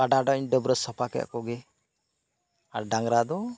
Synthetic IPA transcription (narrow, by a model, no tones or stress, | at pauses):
aɖaɖɔɲɖəbɾɔsɔpʰakɛ̰a̰kɔɡɛ | aɾɖaŋɾad̪ɔ